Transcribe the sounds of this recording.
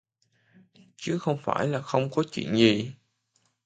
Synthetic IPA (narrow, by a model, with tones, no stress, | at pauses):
t͡ɕɨ˨˦xə˧wŋ͡mfaː˧˩jlaː˨˩xə˧wŋ͡mkɔ˨˦t͡ɕḭ˧˨nzi˨˩